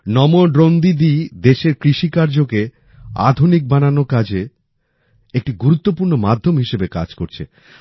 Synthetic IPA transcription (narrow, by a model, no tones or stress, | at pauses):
nɔmoɖɾond̪id̪id̪eʃeɾkɾiʃikaɾd͡ʑoke | a̰d̪ʱunik̚bananokad͡ʑʱe | ek̚ʈiɡuɾut̪ːopuɾnomad̪ʱːomɦiʃebeka̰d͡ʑkoɾt͡ɕʰḛ